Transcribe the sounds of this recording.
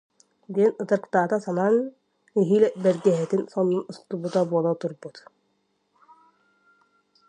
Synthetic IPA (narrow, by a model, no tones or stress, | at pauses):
d̪iɛnɯt̪ɯɾkt̪aːt̪asanan | iɦiːlɛbɛɾɡɛɦɛt̪insɔnːunust̪ubut̪abuɔlˠat̪uɾbut̪